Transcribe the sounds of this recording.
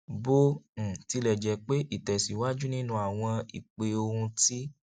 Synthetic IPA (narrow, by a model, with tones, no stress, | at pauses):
bõ˦˨ti˧lɛ˨d͡ʒɛ˨˦k͡pe˦ʔi˦˨tɛ˨si˨wa˦d͡ʒu˦nĩ˦nũ˧˦a˨w̃ɔ̃˧ḭ˨k͡pe˨˦o˧hũ˧ti˦